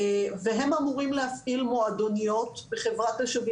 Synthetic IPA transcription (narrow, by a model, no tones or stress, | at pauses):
veɦe̞mamuʁimlehafʔilmoad̪onijo̞t̪beχevʁataʃavi